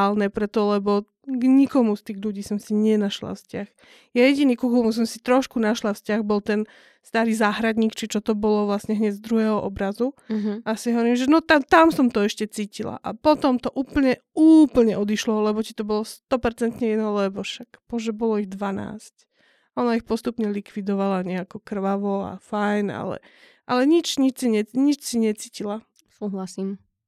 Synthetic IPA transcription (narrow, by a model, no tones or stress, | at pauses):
lnɛpɾɛt̪ɔlɛbɔ | ɡɲikɔmust̪iːɣʎuɟiːsɔmsiɲɛnaʃla̰fscax | jajɛɟiniːkuxulɔns̬ɔmsi̥t̪ɾɔʃkunaʃlafscaɣbɔlt̪ɛn | st̪aːɾiːzaːɦɾad̪ɲiːkt͡ʃit͡ʃɔt̪ɔbɔlɔʋlasɲɛɦɲɛɟzd̪ɾuɦɛːɦɔʔɔbɾazuasiɦɔʋɔɾiːmʒɛnɔt̪at̪amsɔmt̪ɔɛʃcɛt͡siːcila̰ʔapɔt̪ɔmt̪ɔʔuːpl̩ɲɛ | uːpl̩ɲɛʔɔd̪iʃlɔlɛbɔci̥t̪ɔbɔlɔst̪ɔpɛɾt͡sɛnt̪ɲɛjɛd̪nɔlɛbɔʃakpɔʒɛbɔlɔiɣd̪ʋana̰ːsc | ɔnaixpɔst̪upɲɛlikʋid̪ɔʋalaɲɛakɔkr̩ʋaʋɔa̰fajna̰lɛ̰ | ʔa̰lɛɲit͡ʃɲit͡ʃsiɲɛɲit͡ʃsiɲɛt͡siːcila | suːɦlasim